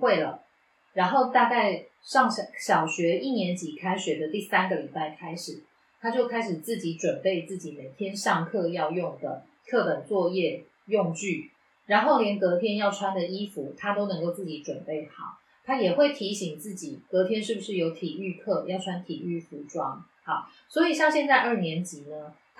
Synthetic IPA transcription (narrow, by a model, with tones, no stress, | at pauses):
xwe˥˩ɪlə˩ | ɻa˧˥nxo˥˧ʊt̪a˥˧ka˥˩ɪ | ʂɑ˥˩ŋ˨ɕjɑ˨˩ʊɕɥɛ˧˥i˥˩njɛ˧˥nt͡ɕi˨˩kʰa˥ɪɕɥɛ˧˥d̪ə˧t̪i˥˩sa˥nɡə˨li˨˩pa˥˩ɪkʰa˥ɪʂɻ̩˨˩˦ | t̪ʰa˥t͡ɕjo˥˩ʊkʰa˥ɪʂɻ̩˨˩t͡sɹ̩˥˩t͡ɕi˨˥ʈ͡ʂwə˨˩npe˥˧ɪt͡sɹ̩˥˩t͡ɕi˨˩˦ne˨˩ɪt̪ʰjɛ˥nʂɑ˥˧ŋkʰɤ˥˧jɑ˥˧ʊjʊ˥˩ŋd̪ə̰˩ | t̪ʰɤ˥˩t̪ə˨˩nt͡swɔ˥˧jɛ˥˧ | jo˥˧ŋt͡ɕy˥˩ | ɻa˧˦nxo˥˩ʊljɛ˧˦˥nkɤ˧˥t̪ʰjɛ˥njɑ˥˩ʊʈ͡ʂʰwa˥nd̪ə˨i˥fu˨˦t̪ʰa˥t̪o˥ʊnɤ˧˥ŋko˥˧ʊt͡sɹ̩ɨ˥˩t͡ɕi˧˥ʈ͡ʂwə˨˩npe˥˩ɪxɑ̰˨˩˦ʊ | t̪ʰa˥jɛ˨˩xwe˥˩ɪt̪ʰi˨˧˥ɕi˨˩ŋt͡sɹ̩˥˩t͡ɕi˨˩˦kɤ˧˥t̪ʰjɛ˥nʂ̬ɻ̩˥˩bu˨˩ʂɻ̩˥˩jo˧˥ʊt̪ʰi˨˩y˥˧kʰɤ˥˧˩jɑ˥˩ʊʈ͡ʂʰwa˥nt̪ʰi˨˩y˥˩fu˧˥ʈ͡ʂwɑ˥ŋ | hɑ˨˩ʊ | swɔ˧˥i˨˩ɕjɑ˥˧ŋɕjɛ˥˧nt͡sa˥˧ɪʔə˞˥˩njɛ˧˥nt͡ɕi˨˦nə˦